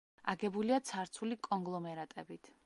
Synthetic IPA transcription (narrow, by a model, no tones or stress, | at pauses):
a̰ɡɛbuliat̪sʰaɾt̪sʰulikʼɔŋɡlˠɔmɛɾat̪ʼɛbit̪ʰ